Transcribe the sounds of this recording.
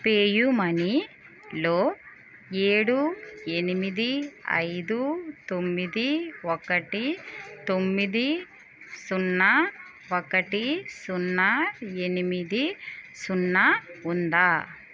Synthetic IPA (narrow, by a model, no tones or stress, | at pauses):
peːjumɐni | loː | eːɽue̞nimid̪iɐ̰jd̪ut̪omːid̪iokɐʈit̪o̞mːid̪i | sunːɐ | okɐʈisunːɐe̞nimid̪isunːɐund̪aː